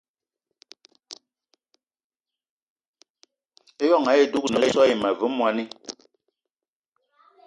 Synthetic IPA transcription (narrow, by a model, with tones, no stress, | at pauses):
e˦jɔ˦˨ŋa˨˦je˦˨du˦k̚nə˨˦˨sɔ˦i˨ma˨vʉ˨˦mwa˨ni˦